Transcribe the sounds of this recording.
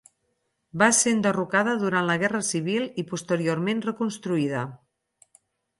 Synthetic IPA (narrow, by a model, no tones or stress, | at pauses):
basend̪ərukaðəðuɾantləɣɛrəsiβ̞ilˠipust̪əɾioɾmenrəkunst̪ɾuiðə